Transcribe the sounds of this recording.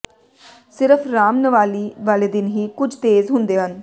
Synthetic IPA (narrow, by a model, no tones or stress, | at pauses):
sɪɾəpʰɾaːmnəʋaːliːʋaːleːd̪ɪnɦiːkʊd͡ʒʱt̪eːzɦʊnd̪eːɦən